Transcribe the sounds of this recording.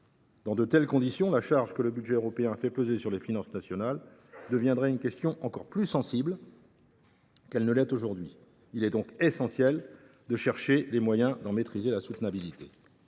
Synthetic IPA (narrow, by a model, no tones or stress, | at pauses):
d̪̥ɑ̃d̪ət̪ɛlkɔ̃d̪isjɔ̃laʃaʁʒkələbyd̪ʒɛøʁɔpeɛ̃fɛpøzesyʁlefinɑ̃snasjɔnald̪əvjɛ̃d̪ʁɛynkʲɛst̪jɔ̃ʔɑ̃kɔʁplysɑ̃sibl | kɛlnəlɛt̪oʒuʁd̪ɥi | ilɛd̪ɔ̃kesɑ̃sjɛl | d̪əʃɛʁʃelemwajɛ̃d̪ɑ̃met̪χizelasut̪nabilit̪e